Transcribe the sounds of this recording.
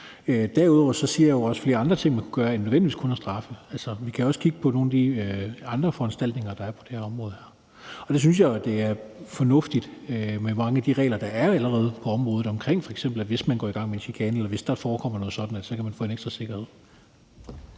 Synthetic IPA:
ød̥æɐuðˠɒ̰ʊɐsɒ̽siɐ̰jjoɒ̽sfle̝ːɐɑ̈nd̥ʁɐt͡sʰe̝ŋ̰mænkʰuɡ̥ɶːɐenøðˠʋen̰diʋḭːskʰo̽næsd̥ʁɑ̈fəælsɐʋikʰæjɒ̽skʰiɡ̥əpʰɒ̽no̝ːnæd̥iɑ̈nd̥ʁɐfɒ̽ænsd̥æl̰d̥ne̝ŋɐd̥ɑ̈æɐpʰɒ̥d̥e̝hæɐɒ̽mʁɔ̽ːð̞̩ˠhæɐ̰ | ɒ̽d̥es̬yns̬jɑ̈ɪæd̥e̝æɐfɒ̽nɔ̽fd̥id̥ømemɑ̈ŋəæd̥iʁɛ̰ːlɐd̥ɑ̈æɐæləʁɛːð̞ˠpʰɒ̽ɒ̽mʁɔːð̩ˠɒ̽mkʰʁeŋ̰fɒeɡsem̰b̥l̩æʋe̝smænɡ̥ɒ̰ːiɡ̥ɑ̈ŋ̰meenɕikʰɛːnelɐʋe̝sd̥ɑ̈fɒːkʰɒ̽m̰ɐnɔ̽ːðˠsɒ̽d̥n̩ælssɒ̽kʰæmænfɔ̰ːe̝neɡ̥sd̥ʁɐse̝ɡ̥ɐhe̝ð̰ˠ

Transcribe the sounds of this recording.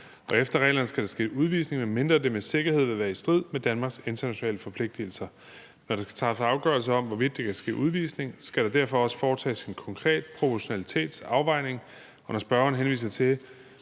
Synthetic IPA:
ɒ̽efd̥ɐʁɛ̰ːlɐnəsɡ̥æɾ̥ɑ̈sɡ̥e̝̰ːuð̞ˠʋḭːsne̝ŋmeme̝nd̥ʁɐd̥e̝mese̝ɡ̥ɐhe̝ð̰ˠʋe̝ʋæːɐisd̥ʁið̞̰ˠmed̥ænmɑ̈ɡ̥se̝nt͡sʰɐnæɕonɛ̰ːləfɒ̽pʰle̝ɡ̥̚d̥il̩sɐ | nɒɾ̥esɡ̥æ̥t͡sʰɑ̈sɑ̈ʊɡ̥ɶ̰ɐls̬əɒ̽mʋɒʋid̥̚ːekʰæsɡ̥e̝̰ːʔuð̞ˠʋḭːsne̝ŋsɡ̥æɾ̥ɑ̈d̥æɐfɒ̽ɒ̽sə̥fɒːt͡sʰɛ̰ːsinkʰɒ̽ŋkʰʁɛ̰ːd̥̚pʰʁo̝pʰɒɕo̝nælit͡sʰe̝̰ːd̥sɑ̈ʊʋɑ̈ɪ̰ne̝ŋ | ɒ̽nɒsb̥ɶɐɐnɦenʋḭːsɐt͡sʰe̝

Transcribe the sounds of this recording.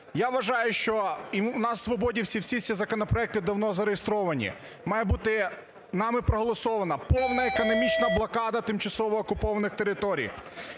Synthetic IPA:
jaʋɐʒɑjʊʃt͡ʃɔinɑsːʋɔbɔdʲiwsʲiwsʲisʲizɐkɔnɔpɾɔɛk̚t̪ɪd̪ɐwnɔzɐɾejest̪ɾɔʋɐnʲḭ | mɑjɛbut̪ɪ | nɑmɪpɾɔɦɔlˠɔsɔʋɐnɐpɔwnɐekɔnɔmʲit͡ʃnɐblˠɐkɑd̪ɐt̪ɪmt͡ʃɐsɔʋɔːkʊpɔʋɐnɪxt̪eɾɪt̪ɔɾʲḭj

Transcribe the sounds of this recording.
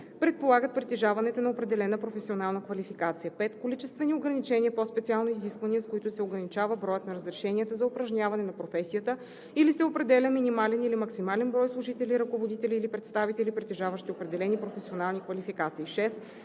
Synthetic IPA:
pɾɛt̪̚polˠaɡət̪̚pɾit̪ɛʒavɐnɛt̪onɐopɾɛd̪ɛlɛnəpɾofɛsionalˠnəkvɐlifikat̪sijəpɛt̪kolit͡ʃɛst̪vɛnioɡɾɐnit͡ʃɛniəpɔspɛt̪sialˠnoiziskvɐniəskoit̪ʊsɛoɡɾɐnit͡ʃavəbɾɔjət̪nɐɾəzɾɛʃɛniət̪əzɐopɾɐʒnʲavɐnɛnɐpɾofɛsijət̪ə | ilisɛopɾɛd̪ɛlʲəminimalɛnilimɐksimalɛnbɾɔjslˠʊʒit̪ɛliɾɐkovod̪it̪ɛliːlipɾɛt̪st̪avit̪ɛlipɾit̪ɛʒavəʃt̪iopɾɛd̪ɛlɛnipɾofɛsionalˠnikvɐlifikat̪siːʃɛst̪

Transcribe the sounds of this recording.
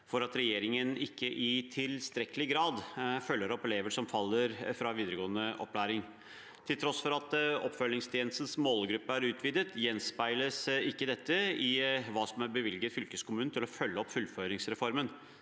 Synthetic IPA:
fɔɾɑt̪ɾɛjeːɾɪŋənɪkːəʔɪt̪ʰɪlst̪ɾɛkəlɪɡɾɑːd̪fœlːəɾɔpɛleːʋəʂɔmfɑlːəɾfɾɑʋiːd̪əɾəɡoːənəʔɔ̰pːlæːɾɪŋ | t̪ʰɪlt̪ʰɾɔsfɔɾɑt̪ɔ̰pːfœlːɪŋst̪ʰjeːnəst̪n̩smoːlɡɾʉpːəæɾʉːt̪ʰʋiːd̪ət̪ʰjɛnspæɪləsɪkːəd̪ɛt̪ːəɪʋɑːsɔmæɾbəʋɪlɡət̪fʏlkəskʰʊmʉːnnt̪ʰɪlɔfœlːəɔpfʉlːføːɾɪŋsɾɛfɔɾmən

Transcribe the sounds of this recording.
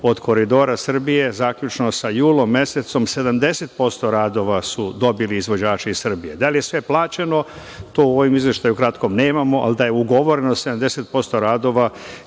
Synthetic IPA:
o̞d̪kʰo̞ɾid̪o̞ːɾasr̩bije̞zaːkʎʲut͡ʃnosajuːlomːje̞se̞t̪so̞mse̞d̪amd̪e̞se̞t̪̚po̞st̪o̞ɾaːd̪o̞ʋasud̪o̞biliːzʋo̞d͡ʑaːt͡ʃeissr̩bije̞d̪alije̞sʋe̞plˠaːt͡ɕe̞no̞ | t̪o̞ːuo̞ʋimizʋje̞ʃt̪ajukɾat̪ko̞mneːmamo̞ʔa̰ld̪ajeuɡo̞ʋo̞ɾe̞nose̞d̪amd̪e̞se̞t̪̚po̞st̪o̞ɾaːd̪o̞ʋa

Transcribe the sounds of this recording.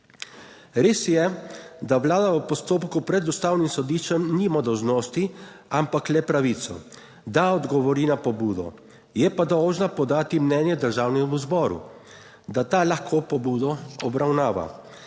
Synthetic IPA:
ɾeːsjɛd̪aʋlaːd̪aəpɔst̪oːpkupɾɛd̪ust̪aːwnimsɔd̪iːʃt͡ʃɛmnimad̪ɔwʒnoːst̪i | ampaklɛpɾaʋiːt̪sɔ̰ | d̪aɔd̪ɡɔʋɔɾiːnapɔbuːd̪ɔ̰ | jɛpad̪ɔwʒnapɔd̪aːt̪imnɛnjɛd̪əɾʒaːwnɛmuzbɔːɾṵ | d̪at̪aːlaxkʰopɔbuːd̪ɔɔbɾawnaːʋa̰

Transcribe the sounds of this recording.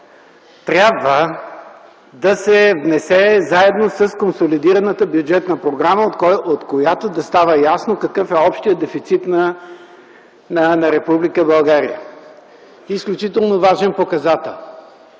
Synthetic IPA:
t̪ɾʲabvə | d̪ɐsɛvnɛsɛzaɛd̪nosəskonsolid̪iɾɐnət̪əbjud͡ʒɛt̪nəpɾoɡɾaməot̪ot̪kojat̪od̪ɐst̪avəjasnokɐkɤfɛɔpʃt̪ijəd̪ɛfit̪sit̪nə | nənɐɾɛpublikəbɐlˠɡaɾḭə̰ | isklʲut͡ʃit̪ɛlˠnovaʒɛnpokɐzat̪ɛ̰lˠ

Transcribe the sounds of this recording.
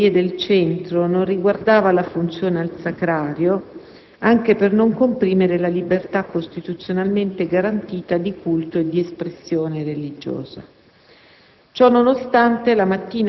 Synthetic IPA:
ied̪elt͡ʃɛnt̪ɾononriɡward̪aːvalafunt̪sjoːnealsakɾaːɾjo | aŋk̟epernoŋkompɾiːmeɾelalibert̪akːost̪it̪ut̪sːjonalment̪eɡaɾant̪iːt̪ad̪ikult̪oed̪ːiespɾesːjoːnerelid͡ʒo̰ːza̰ | t͡ʃɔnːonost̪ant̪elamat̪ːiːn

